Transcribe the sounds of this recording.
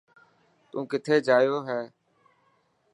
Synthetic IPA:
t̪ṵ̃ːkɪt̪ʰeːd͡ʒaːjoːɦɛː

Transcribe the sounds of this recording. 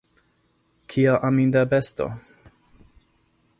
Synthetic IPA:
kʰiaʔamind̪abɛst̪o̰

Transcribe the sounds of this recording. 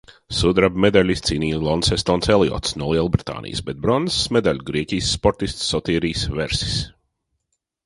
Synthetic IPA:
sud̪ɾabmed̪alʲist̪siːniːjlˠɔnsɛst̪ɔːnselˠiɔ̰t̪snuɔlˠiɛlˠbɾit̪a̰ːnʔḭjsbɛt̪̚bɾɔnzsmɛd̪alʲuɡɾiɛkʲiːjsːpɔɾt̪ist̪sːɔt̪iːɾiːsveɾsi̥s

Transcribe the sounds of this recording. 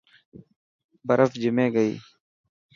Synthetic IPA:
bəɾəfd͡ʒɪmẽːɡəḭː

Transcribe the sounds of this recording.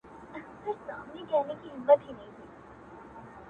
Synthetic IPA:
ɪsamnikɛɦnekiɦɪmːət̪ɦinɐɦĩt̪ʰiː

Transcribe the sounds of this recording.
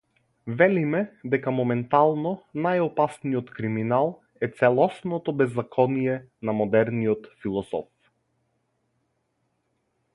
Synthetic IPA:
vɛlimɛd̪ɛkamɔmɛnt̪alˠnɔnajɔpasniɔt̪kɾiminalˠ | ɛt̪sɛlˠɔsnɔt̪ɔbɛzːakʰɔnijɛ | namɔd̪ɛɾniɔt̪filˠɔsɔ̰f

